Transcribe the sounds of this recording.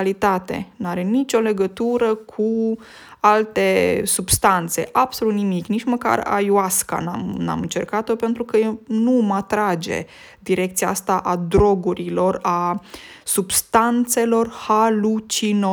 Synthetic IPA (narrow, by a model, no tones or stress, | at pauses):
lit̪at̪e̞̰naɾe̞nit͡ʃʲo̞le̞ɡət̪uɾəkʰu | alt̪e̞subst̪ant̪se̞̰ʔab̥so̞lut̪nimiknit͡ʃməka̰ra̰juaska̰na̰mna̰mɨnt͡ʃe̞̰rkat̪o̞pe̞nt̪ɾukəenumat̪ɾad͡ʒe̞̰ | d̪iɾe̞kt̪sijaast̪aʔad̪ɾo̞ɡuɾilo̞ra | subst̪ant̪se̞lo̞rhalut͡ʃino